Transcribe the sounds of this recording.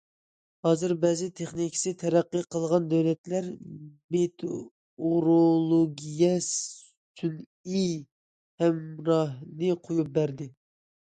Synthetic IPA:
hɑːzɨɾbɛzɪt̪ʰeχnikʲʰi̥sɪt̪ʰɛɾæqːəqʰəlˠʁɑnd̪ælɛt̪læɾmet̪ʰ | oɾolˠoɡʲijɛs | t̪ʰyn | i | hɛmɾɑɦnɪqʰojup̚bæɾd̪ɪ

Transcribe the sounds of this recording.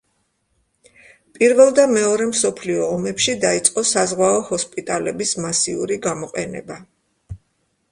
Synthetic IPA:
pʼiɾvɛlˠd̪amɛɔɾɛmsɔpʰliɔːmɛpʃid̪ait̪sʼqʼɔsazʁwaɔhɔspʼit̪ʼalɛbismasiṵɾiɡamɔqʼɛnɛ̰ba

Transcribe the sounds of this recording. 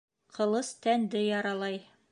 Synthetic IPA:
qʰɤ̆lˠɤst̪ænd̪ɘjɒɾɑlˠɑj

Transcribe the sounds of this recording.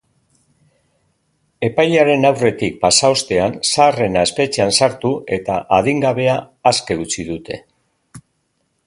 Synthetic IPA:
e̞pajʎaɾe̞nawre̞t̪ik̚pasao̞st̪e̞ansaːre̞nae̞spe̞t͡ʃeansaɾt̪ue̞t̪aʔað̞iŋɡaβe̞aː | ske̞ɣut͡sið̞ut̪ʰe̞̰

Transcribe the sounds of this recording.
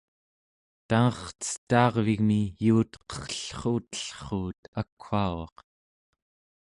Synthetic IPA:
t̪aŋʌχt͡sə̥t̪ːɑːʁviɣmijuːt̪qʌ̥χɬχuːt̪ə̥ɬχuːt̪akʰhaːwɑ̰q

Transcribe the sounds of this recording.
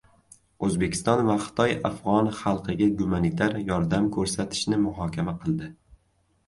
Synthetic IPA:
ɵzbekʲʰɪ̥st̪ɒnvaχɨ̥t̪ʰɒja̰fʁɒnχɑlˠqɨɡʲaɡʊmanit̪ʰaɾjɒɾd̪amkʰɵɾsat̪ʰɪ̥ʃnɪmʊɦɒkʲʰamaqʰɨlˠd̪ɪ

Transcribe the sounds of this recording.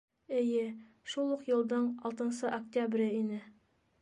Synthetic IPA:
ɘ̆jɘ | ʃulˠuqjɤ̆lˠd̪ɤɴɑlˠt̪ɤ̆nsɤʔɐk̚tʲabɾʲɘinɘ

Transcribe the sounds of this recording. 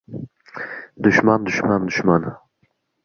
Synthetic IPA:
d̪ʊʃmand̪ʊʃmand̪ʊʃman

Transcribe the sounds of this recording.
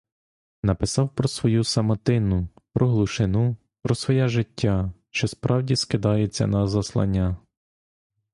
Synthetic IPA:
nɐpɪsɑwpɾɔsʋɔjusɐmɐt̪ɪnʊpɾɔɦlˠuʃɪnu | pɾɔsʋɔjɛʒɪtʲːaʃt͡ʃɔspɾɑwdʲiskɪd̪ɑjet͡sʲːɐ̰nɐzɐslˠɐ̰nʲːa

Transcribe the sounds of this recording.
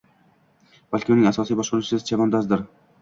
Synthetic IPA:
b̥alʲkʲɪʊnɪŋasɒsijbɒʃqʊɾut͡ʃɪzt͡ʃʰavɒnd̪azd̪ɪɾ

